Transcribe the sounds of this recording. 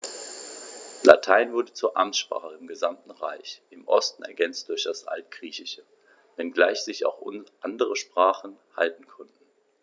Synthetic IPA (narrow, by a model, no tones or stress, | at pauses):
la̰tʰaɪnvʊɐdət͡suːɐʔamtʃpʁ̥a̰ːχəɪmɡəzamtn̩ʁa̰ɪçʔɪmʔɔstn̩ɛ̰ɐɡɛnt͡st̚d̥ʊɐçd̥asʔa̰lt̚ɡ̥ʁiːçɪʃə | vɛnɡlaɪçz̥ɪça̰ʊxʔʊʔandəʁəʃpʁ̥aːχn̩haltn̩kʰɔntn̩